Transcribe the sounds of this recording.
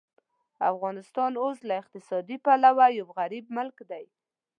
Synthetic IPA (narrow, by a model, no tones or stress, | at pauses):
afɣɑnɪst̪ɑnoslaɪq̚t̪ɪsɑd̪ipalawajawɣaɾib̚mʊlkd̪aj